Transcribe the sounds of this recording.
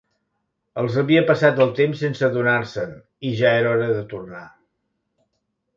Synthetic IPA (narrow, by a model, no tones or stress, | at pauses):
əlˠzəβiəpəsat̪əlˠt̪emsːensəðunaɾsən | iʒaeɾɔɾəðət̪urna